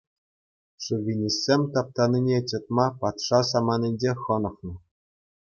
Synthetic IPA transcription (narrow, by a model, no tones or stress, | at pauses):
ʂuvʲinʲisʲːemʲt̪ɑp̚t̪ɑnʲinʲet͡ɕɤ̆t̪̚mɑpɑt̪ʂɑsɑmɑnʲinʲd͡ʑeχɤ̆nɤ̆χnɤ̆